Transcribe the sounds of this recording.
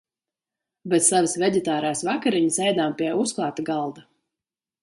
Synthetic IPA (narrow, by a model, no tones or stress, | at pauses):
bɛt̪savɨsvʲɛɟ̪ʲɛt̪aːɾaːsvakaɾiɲisɛjd̪aːmpʲiɛusklˠɑːt̪aɡɑlˠd̪a